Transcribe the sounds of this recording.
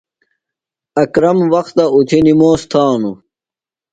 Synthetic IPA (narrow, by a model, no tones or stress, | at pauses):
ɐkɾɐmwɐxt̪ɐut̪ʰinimoːst̪ʰaːnu